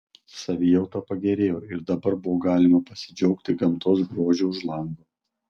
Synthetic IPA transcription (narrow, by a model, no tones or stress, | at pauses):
sɐʋʲɪjɛʊt̪ɐpɐɡʲɛɾʲeːjoːɪɾd̪ɐbɐɾbʊʋoːɡɑːlʲɪmɐpɐsʲɪd͡ʒʲɔʊkt̪ʲɪɡɐmt̪oːs̬ɡɾoːʒʲuʊʃlˠɐŋɡ̪oː